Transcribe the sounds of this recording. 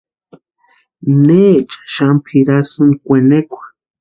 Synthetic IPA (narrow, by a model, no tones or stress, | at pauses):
net͡ʃḁʃampʰiɾasɨnkʷenekʷḁ